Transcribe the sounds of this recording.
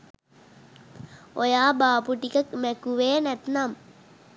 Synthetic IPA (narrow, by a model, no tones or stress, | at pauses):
ojaːbaːpuʈikɐkmekuʋeːnɐt̪nam